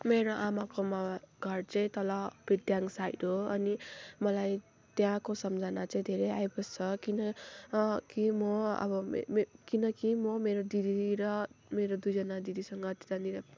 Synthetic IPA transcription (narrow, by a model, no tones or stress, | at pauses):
meɾoʔamakomaɡʱʌrt͡saĩt̪ʌlʌb̥ʱid̪jaŋsajɖɦoʌnimʌlaj | t̪jãkosʌmd͡zʱanat͡saĩd̪ʱeɾejajbʌst͡sʰʌkinʌ | kimʌʌ̰bʌmkinʌkimʌmeɾod̪id̪iɾʌmeɾod̪ujd͡zʌnad̪id̪isʌŋɡʌt̪i̥t̪aniɾa